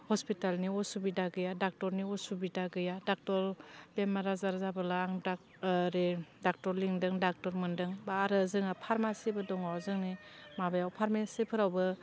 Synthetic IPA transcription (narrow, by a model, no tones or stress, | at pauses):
hɔspitalniɔsubidaɡɯjadak̚tɔɾniɔsubidaɡɯjadak̚tɔɾbemaɾazaɾzabɯlaːŋd | ɾedak̚tɔɾliŋdɯŋdak̚tɔɾmɯndɯŋbaːɾɯzɯŋapʰaɾmasibɯdɔŋawzɯŋnimabajawpʰaɾmesipʰɯɾawbɯ